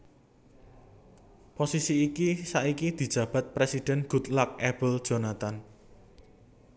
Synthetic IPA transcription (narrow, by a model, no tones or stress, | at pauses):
posisiːkisaʔikid̪̥i̤d̥ʒ̥ä̤b̥a̤t̪̚pɾesid̥ɛ̤nɡ̥ṳt̪lak̚ɛbəld̥ʒ̥o̤nat̪an